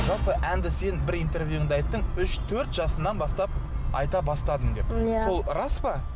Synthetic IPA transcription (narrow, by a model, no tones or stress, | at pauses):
ʒɑlˠpəʔænd̪ɪse̞nbɪɾijnt̪e̞rvjuɪŋd̪ɑjt̪ːəɴʏʃt̪ʰɵɾt̪ʒɑsənːɑnbɑst̪ɑp̚ɑ̰jt̪ɑbɑst̪ɑd̪əmŋd̪e̞pso̞lˠrɑspɑ